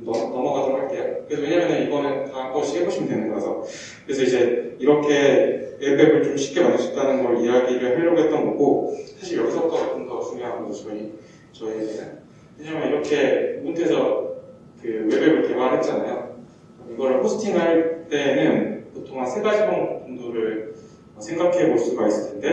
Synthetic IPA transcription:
nʌnʌmʌɡadoɾɦaɭk͈e̞jokɯɾe̞sʰʌwe̞ɲamjʌnɯnibʌnɯntak͈ʰʌɯɕʰi̥kʰebʰoɕʰimdwenɯnɡʌesʰʌ | kɯɾe̞sʰʌid͡ʑe̞iɾʌkʰe̞webe̞bɯɭt͡ɕomɕʰi̥k͈e̞manːɯsʰi̥k̚t͈anɯnɡʌɾɯijaɡiɾɯɭɸeːʌɡe̞t͈̚ʌnɡʌɡosʰaɕʰiɭjʌks͈ʰʌp̚t͈ʌbak͈ʰɯnɡʌas͈ʰumiɦamʌnsʌt͡ɕʌi | t͡ɕʌid͡ʑe | kʰeɲamaniɾʌkʰe̞muntʰesʰʌ | kɯwe̞be̞bɯɭke̞baɭɦet̚t͡ɕ͈anajo | ʌiɡʌɾɯɭpʰosʰɯ̥tʰiŋɯaɭt͈e̞nɯnkotʰoŋɦansʰeɡad͡ʑʰibʌŋpunduɾɯɭ | ʌsʰe̞ŋɡakʰe̞boɭs͈uɡais͈ɯ̥tʰende̞

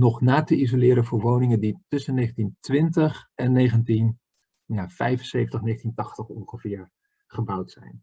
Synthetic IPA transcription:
nɔχnaːtəʔizolɪːɾənvʊːɹʋownɪŋənditʏsənːejχəntintʋɪntəχɛnːejχəntin | jaːfɛjvənsejvəntəχneχəntintɑχtəχɔŋχəv̥ɪːɹ | χəbʌwtsɛ̰jn

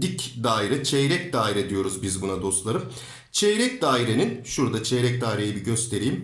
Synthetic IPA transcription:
d̪icd̪aːiɾɪt͡ʃʰejɾɛcd̪aːiɾɛd̪ijo̞ɾuzbizbunad̪o̞st̪lˠaɾɯm | t͡ʃʰejɾɛc̚d̪aːiɾeninʃuɾd̪at͡ʃʰejɾɛc̚d̪aːiɾejibiɟøst̪ʰe̞ɾijim

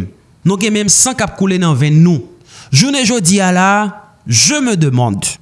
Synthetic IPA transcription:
m | nũɡɛ̃mɛ̃msãkap̚kulenãvɛ̃nũʒuneʒodiala | ʒəməd̪əmɑ̃d̪

